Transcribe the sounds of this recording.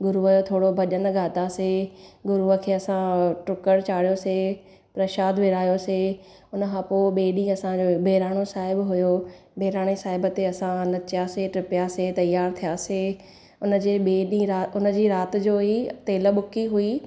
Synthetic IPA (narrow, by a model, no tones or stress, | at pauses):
ɡʊɾuʋəjot̪ʰoːɽobʱɐʄən̆ɡaːt̪aseɡʊɾuʋəkʰeːɐsãʈʊkəɽt͡ɕaːɽijose | pɾɐʃaːd̪ʋɪːɾaːjose | ʊnə̆kʰãːpoːɓeːɗĩːɐsãd͡ʑobʱeːɾaːɽ̃osaːɦɪbɦʊjo | bʱeːɾaːɽ̃esaːɦɪbət̪eɐsãnɐt͡ʃɪjaseʈɪpɪjaset̪ɐjaːɾt̪ʰijaːse | ʊnə̆d͡ʑeːɓeːɗĩɾaːʊnə̆d͡ʑiːɾaːt̪̆d͡ʑoːit̪eːləɓʊkiɦui